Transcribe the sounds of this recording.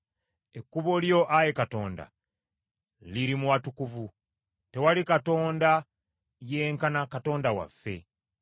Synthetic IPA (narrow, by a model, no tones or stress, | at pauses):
e̞kːuβoljo̞ʔaje̞kato̞ːnda̰ | liɾimuwatukuvu | te̞walikato̞ːnda | je̞ːŋkanakato̞ːndawa̰fːe̞̰